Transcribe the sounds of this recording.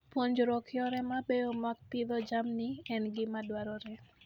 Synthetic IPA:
poɲd͡ʒɾɔkʰɪɔɾɛmabeomak̚pɪðɔd͡ʒamnɪɛnɡɪmadwaɾɔɾɛ

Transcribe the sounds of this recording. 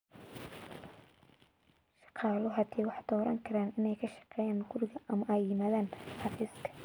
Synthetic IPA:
ʃɑ̥qɑːlɔɦɐd̪ʰɛːwɑħd̪̥ɔːɾʔɐŋkʰɐɾaːnɪnɛjkʰɐʃɑ̥qɛːjaːnɡʊɾɪɣɐʔɐmɐʔɛjːɪmaːðaːnħɑfiːskʰɐ̥

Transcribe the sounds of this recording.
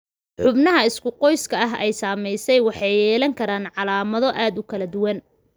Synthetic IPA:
ħʊbnɐɦɐɪskʰʊqɔjskʰɐɐɦɛjsaːmɛjsɛjwɑħɑjɛːlɐŋkʰɐɾaːnʕɑlaːmɐðɔʔaːd̪ʊkʰɐlɐd̪ʊwɐn

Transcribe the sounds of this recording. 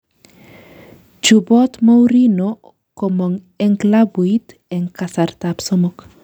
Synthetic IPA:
d͡ʒubɔt̪mowɾino | komoŋ | eŋklabuit̪ | eŋkasart̪apsɔmɔk

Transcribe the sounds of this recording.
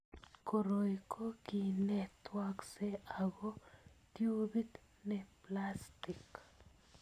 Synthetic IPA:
koɾojkʰokinet̪wakseaɡot̪jubit̪ | neplast̪ik

